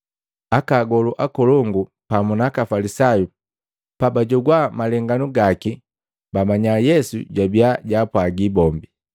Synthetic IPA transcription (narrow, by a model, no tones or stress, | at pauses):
akaːɡɔluʔakɔlɔŋɡu | pamunakafalisaju | pabaɟɔɡwamalɛŋɡanuɡaki | bamaɲajɛsṵɟwabiaɟaːpwaɡibɔmbi